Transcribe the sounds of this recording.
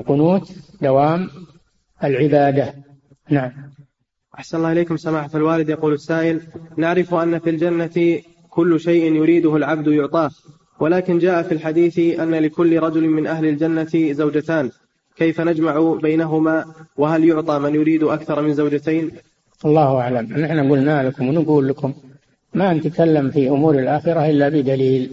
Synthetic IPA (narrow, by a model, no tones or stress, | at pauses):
qʊnuːt̪d̪awaːm | alʕɪbaːd̪a | naʕam | ʔaħsanalaːʔɪleːkʊmsamaːħat̪alwaːlɪd̪jɑquːlasːaːʔɪlnaʕɾɪfʔanːafiːld͡ʒanːat̪ | kʊlːʃajʔɪnjʊɾiːd̪ʊhʊlʕab̚d̪jʊʕt̪ˤɑːh | walaːkɪnd͡ʒaːʔafilħad̪iːθʔanːalɪkʊlːɪɾˤɑd͡ʒʊlmɪnʔahlɪld͡ʒanːat̪zawd͡ʒat̪aːn | kajfanad͡ʒmaʕʊbajnaɦʊmaːwɪɦaljʊʕt̪ˤɑːmanjʊɾiːd̪ʊʔakθɑɾˤmɪnzawd͡ʒat̪aːn | ʔɑlˤːɑːhʔaʕlamnɪħnaɡʊlnalakʊmwɪnaɡuːlːakʊmː | anat̪akalːamfiʔʊmuːɾalʔaːxɪɾaʔɪlːabɪd̪aliːl